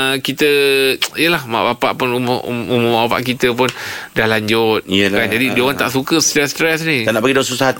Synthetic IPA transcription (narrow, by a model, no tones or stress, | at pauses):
əkit̪əijəlahma̰ʔbapa̰ʔpʊnumʊumʊ̃maapa̰ʔkit̪əp̬ʊndahlaɲd͡ʒʊt̪̚kand͡ʒadidioɣaŋt̪aʔsukəst̪ɾɛst̪ɾɛsnianaʔpaɡidawãnsusaat̪